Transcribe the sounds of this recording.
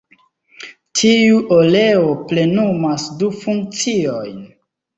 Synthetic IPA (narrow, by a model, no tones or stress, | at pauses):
tʰiuʔole̞ople̞numasdufuŋk̚t͡siojn